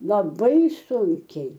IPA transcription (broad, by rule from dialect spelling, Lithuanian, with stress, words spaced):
lˠɐˈbɐɪ ˈsʊŋʲkʲɛɪ